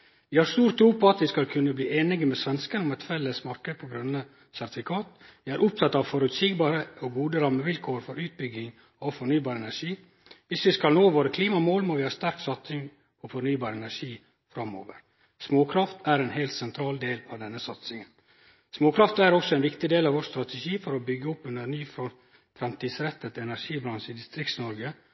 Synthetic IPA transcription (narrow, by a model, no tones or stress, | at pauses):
ʋɪhɑɾst̪uːɾt̪ʰːɾuːpɔɑt̪ʋɪskɑlkʰʉnːəbliːeːnɪɡəmɛsʋɛnskənʊmɛt̪fɛlːəsmɑɾkəd̪pʰɔɡɾʉnːə | sæɾt̪ɪfɪkʰɑːt̪ʋɪæɾʔʊp̚t̪ʰɑt̪ːɑʋfɔɾʉt̪siɡbɑːɾəɔɡuːd̪əɾɑmːəʋɪlkʰoːɾfɔɾʉːt̪̚bʏɡɪŋ | ɔfɔɳyːbɑːɾɛnæʂiː | ʋɪsʋɪskɑlnoːʋoːɾəkʰliːmɑmoːlmɔʋɪhɑst̪æɾksɑt̪sɪŋ | ɔfɔɳyːbɑːɾəɛnæʂiː | fɾɑmːo̰ːʋə̰ɾ | smoːkʰɾɑft̪æɾɛːnɦɛɪlt̪sɛnt̪ʰɾɑːld̪eːlɑʋd̪ɛnːəsɑt̪sɪŋən | smoːkʰɾɑft̪æɾɔksɔɛɪnʋɪkt̪ɪd̪eːlɑʋoːst̪ɾɑt̪ʰɛʃiːfɔɾɔbʏɡːəʊpːʉnd̪əɾnyːf | fɾɛmt̪ʰiːd̪sɾɛt̪ːət̪ɛnæʂiːbɾɑnʂəɪd̪ɪst̪ɾɪkt̪snɔɾɡə